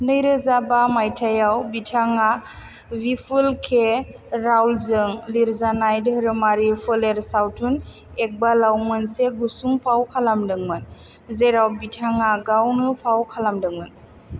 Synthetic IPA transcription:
nɯjɾɯzabamajtʰajawbitʰaŋa | bipʰɯlkʰe | ɾawlzɯŋliɾzanajdɾɯmaɾipʰɯleɾsawtʰun | ek̚balawmɯnseɡusuŋpʰawkʰalamdɯŋmɯn | zeɾawbitʰaŋaɡawnɯpʰawkʰalamdɯŋmɯn

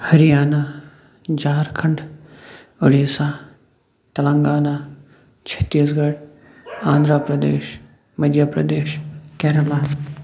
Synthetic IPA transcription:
hɐɾijaːna | d͡ʒaːɾkʰɐɳɖ | ʊɽisaː | t̪ɐlə̃ŋɡaːnaː | t͡ʃʰɐ̥t̪ːiːsɡɐɽ | ãːnd̪ɾapɾɐd̪ḛːʃ | mɐd̪ʱjapɾɐ̰d̪eːʃkɛːɾəla

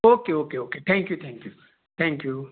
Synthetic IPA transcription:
okeokeoket̪ʰɛ̃ŋkjut̪ʰɛ̃ŋkju | t̪ʰɛ̃ŋkju

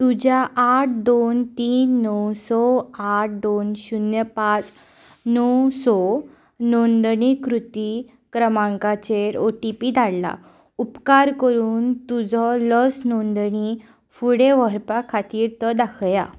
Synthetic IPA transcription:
t̪ud͡ʑjaʔːʈ̚ʰd̪ont̪iːnːɔwsɔaʈ̚ʰd̪onɕunjəpat͡s | nɔwsɔ | nond̪ɳikɾut̪i | kɾəmãŋkat͡ɕeɾoʈipiːd̪ʱalla̰ | upkaɾkəɾuːnt̪ud͡zʱɔlɔsnɔnd̪əɳi | fuɽeʋəɾpakʰat̪iːɾt̪ɔd̪akʰja̰

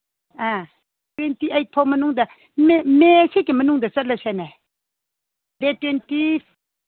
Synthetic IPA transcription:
a | twɛntiʔajt̚pʰɔmənuŋd̪a | memesekimənuŋd̪at͡sɐt̚lasana | letwenti

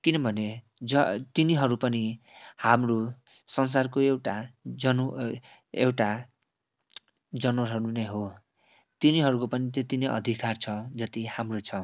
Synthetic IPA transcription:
kinʌbʱʌne | d͡zʌt̪iniɦʌɾupʌnihamro | sʌns̬arkoewʈad͡zʌn | ḛwʈa | d͡zʌnwɾɦʌɾuneɦo | t̪iniɦʌɾukopʌnit̪jet̪ineʔʌ̰d̪ʱikart͡sʰʌd͡zʌt̪ihamrot͡sʰʌ

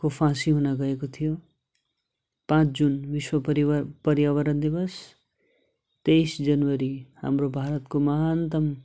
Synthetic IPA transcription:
kopʰãsiɦunaɡʌekot̪ʰijo | pãt͡ʃʰd͡ʒunʋiswʌpɾipʌɾjawʌɾʌnd̪ibʌs | t̪eisd͡ʒʌnwʌɾiha̰mɾobʱaːɾət̪komaɦant̪ʌm

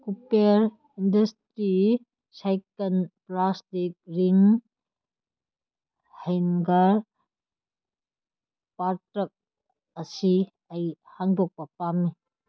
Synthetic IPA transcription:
kupeɾ | indɐstɾi | sajkɐnplastik̚ɾiŋ | hejnɡaɾ | paɾtɐk̚ | ɐsi | ɐjhaŋdɔk̚pɐpamːi

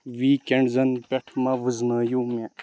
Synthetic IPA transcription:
ʋiːkeɳɖzɐnpeʈʰmɐʋɨznaːjuːme

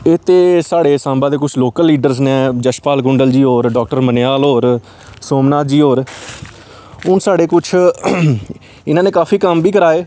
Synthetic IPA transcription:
eːt̪eːsaːɽeːsãːmbaːd̪eːkʊt͡ʃʰloːkəlːiːɖəɾsnẽːd͡ʒəʃpaːlɡʊɳɖəld͡ʒiːoːɾɖɔːk̚ʈəɾməneaːlɦoːɾ | soːmnaːd͡ʒiːɦoːɾ | ʊnsaːɽeːkʊt͡ʃʰ | ɪnãːnẽːkaːfiːkəmbʱiːkəɾaːeː

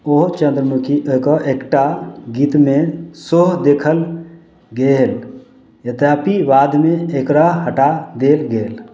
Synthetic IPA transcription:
oɦt͡ʃə̃nd̪ɾəmukʰiʔekɔʔekʈaɡiːt̪mẽsoɦd̪eːkʰəl | ɡeːl | jət̪apiʋaːd̪mẽekɾaɦɦəʈad̪eːlɡeːl

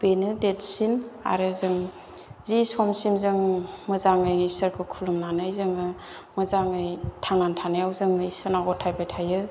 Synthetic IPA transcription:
b̥enɯdetsina̰ɾɯzɯŋ | zisɔmsimzɯŋmɯzaŋɯjisəɾkʰɯkʰulɯmnanajzɯŋɯ | mɯzaŋɯjtʰaŋnantʰanajawzɯŋɯisɯnaɡɔtʰajbajtʰajɯ

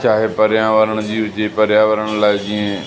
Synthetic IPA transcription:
t͡ʃʰaːɦepəɾjãːʋəɾəɽ̃d͡ʑiːɦʊd͡ʒepɐɾjaːʋəɾəɽ̃laːɪd͡ʑĩːẽ

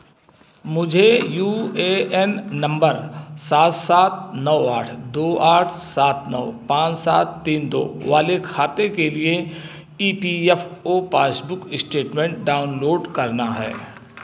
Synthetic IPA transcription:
mʊd͡ʒʱejuːeːɛnːɐ̃mbəɾsaːt̪saːt̪̚nɔʋaːʈʰd̪oːaːʈʰsaːt̪ʰnə̰ːpãːt͡ʃsaːt̪ːiːnd̪o̰ːʋaːlekʰaːt̪ekelie | iːpiɛfʰopaːsbʊkɪsʈeːʈmẽːɳʈ̚ɖaːʊnloːɖkɐɾnaɦɛ̰ː

